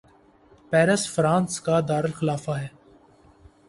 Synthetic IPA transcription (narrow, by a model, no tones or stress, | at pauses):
pɛːɾəsfɾãːnskad̪aːɾɪlxɪlaːfaɦɛː